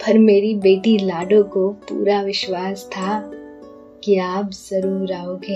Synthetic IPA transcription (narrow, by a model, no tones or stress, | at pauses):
pʰɐɾmeːɾibeːʈilaːɖõkopṵːɾaʋɪʃwaːst̪ʰa | kiaːpzɐɾuːɾaːoːɡẽː